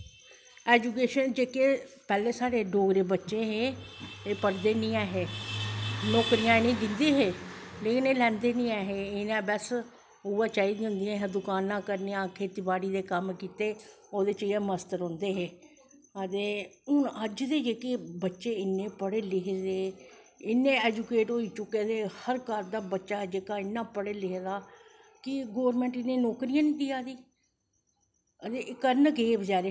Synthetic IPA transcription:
ɛːd͡ʒuːkeːʃənd͡ʒeːkepɛːlẽːsaːɾeːɖoːɡɾeːbətːʃẽːɦeːeːpəɾd̪eːnĩːaːɦeː | nɔːkɾijãːeːnĩːd̪ɪnd̪iːɦeː | leːkɪneːlɛ̃ːnd̪eːnĩːaːɦeːɪnãːbɛs | ʊʋaːt͡ʃaːiːd̪iːɦʊ̃nd̪ijãːɦɛ̃ːd̪ʊkaːnãːkəɾnejãːkʰeːt̪iːbaːɽiːd̪eːkəmkiːt̪eː | oːd̪eːt͡ʃiːãːməst̪əɾɦõːnd̪eːɦeː | ət̪eːʊnəd͡ʒd̪eːd͡ʒeːkeːbətːʃeːɪnːẽːpəɽeːlɪɦed̪eː | ɪnːẽːɛːd͡ʒukeːʈɦoːiːt͡ʃʊkːeːd̪eːhəɾkəɾd̪aːbətːʃaːd͡ʒeːkaːɪnːãːpəɽeːlɪɦd̪aː | kɪɡoːʋɾmɛ̃ːɳʈɪnːẽːnoːkɾijãːniːd̪iːaːd̪iː | ət̪eːkəɾnkeːbd͡ʒaːɾeː

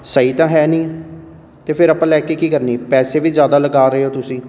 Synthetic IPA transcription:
səiːt̪ãːɦɛːnĩː | t̪eːpʰɪɾəpãːlɛːkeːkiːkəɾniːpɛːseːʋizjaːd̪aːləɡaːɾəeːɦoːt̪ʊsĩː

